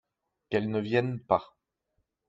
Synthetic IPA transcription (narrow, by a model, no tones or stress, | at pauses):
kɛlnəvjɛnpa